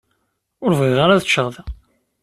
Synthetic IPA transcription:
ʊɾvʁiʁaɾaðət͡ʃːəʁðæ

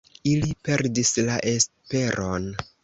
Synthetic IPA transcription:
ilipe̞ɾdislaʔe̞s | pe̞ɾʔo̞n

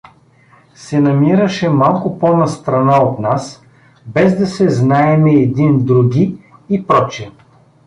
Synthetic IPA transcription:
sɛnɐmiɾəʃɛmalˠkʊpɔnɐst̪ɾɐnaot̪nas | bɛzd̪ɐsɛznaɛmɛːd̪ind̪ɾuɡʲiipɾɔt͡ʃɛ

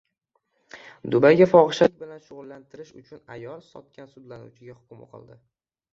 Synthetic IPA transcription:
d̪ʊbajɡʲafɒʁɨʃat̪̚ʲbɪlanʃʊʁʊlːant̪ʰɪɾɪʃʊ̰t͡ʃʰʊnajɒlˠsɒ̰t̪̚kʲansʊd̪lanṵwt͡ʃʰɪɡʲahʊ̥kʲʊmaqʰɨ̰lˠd̪ɪ

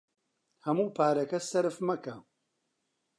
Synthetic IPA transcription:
hɐmuːpʰaːɾɐkɐsɐɾɨfmɐkɐ

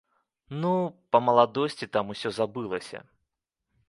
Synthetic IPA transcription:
nupɐmɐlˠad̪ɔsʲt͡sʲit̪amusʲɔzabɨlˠɐsʲɐ̰

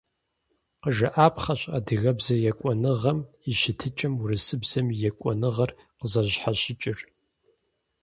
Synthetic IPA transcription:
qəʒɐʔaːpʰχɐɕʼɐdɨɣɐbzɐjɛkʷʼɔnɨʁɐm | iʃɪtʰɨt͡ʃʼɐmurɨsɨbz̥ɐmijɛkʷʼɔnɨʁɐr | qəzɐʑħaɕɪt͡ʃʼɪr

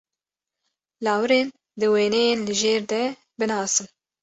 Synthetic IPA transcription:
lɑːwɨɾeːn | d̪ɨweːnɛjeːnlɨʒeːɾd̪ɛ | bɨnɑːsɨm

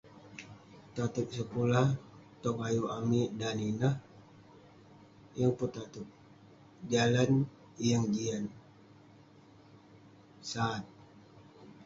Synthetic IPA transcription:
t̪at̪uk̚səkulaht̪ɔŋajuamidaninah | jəŋput̪at̪uk̚ | d͡ʒalan | jəŋɡian | saːt̪̚

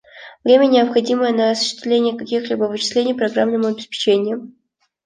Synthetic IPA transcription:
vɾʲemʲənʲɪəpxɐdʲiməjənəɐsʊ̥ɕːɪ̥st̪vlʲenʲɪjəkɐkʲixlʲibəvɨt͡ɕɪslʲenʲɪjpɾɐɡɾamnəmʊɐbʲɪspʲɪ̥t͡ɕenʲɪjʊ

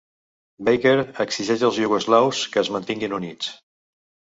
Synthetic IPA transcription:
bejkeɾəksiʒɛʃəlˠzʎuɣozlawskəːzmənt̪iŋɡinunit͡s

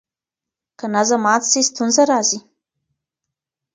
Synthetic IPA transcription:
kanazamat͡ssest̪ʰunzaɾazi

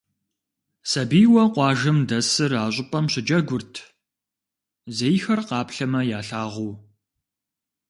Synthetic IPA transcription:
sɐbiːwɐqʷɑːʒɨmdɐsɨraːɕ̬ʷʼʊpʼɐmɕɪd͡ʒɐɡʷʊrtʰ | zejxɐrqɑːpɬɐmɐjaːɬaːʁuː

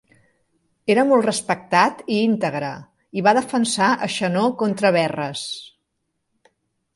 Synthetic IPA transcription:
eɾəmolˠt̪rəspək̚t̪at̪iint̪əɣ̞ɾə̰ | iβaðəfənsaʔəʃənokont̪ɾəβ̞ɛrəs

